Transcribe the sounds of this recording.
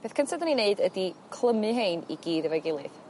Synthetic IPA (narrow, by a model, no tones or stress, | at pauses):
b̥eːθkʰəntʰadənineɨdədikʰlˠəmɨɦeːnḭɡiːðəvɛɡɪlˠɨð